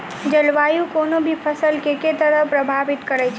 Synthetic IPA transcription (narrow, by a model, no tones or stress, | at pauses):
d͡ʒəlʋajũkonobʱipʰəsəlkeket̪əɾəpɾəbʱaʋɪt̪kəɾɛt͡ʃʰ